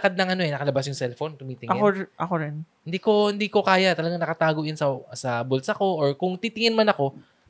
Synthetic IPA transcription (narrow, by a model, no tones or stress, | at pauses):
kad̪̚nɐŋʔɐno̞ʔɛnɐkɐlɐbasjʊŋsɛlfo̞nk̪ʊmiːt̪ɪŋɐoʔɐkoɾɛn | ɪnd̪iːko̞hɪnd̪iːko̞kaːjat̪ɐlɐɡaŋnɐkɐt̪aːɡoʔjɪnsɐsɐbolsɐko̞ʔoɹkʊŋt̪iːt̪ɪŋɪnmɐnɐko̞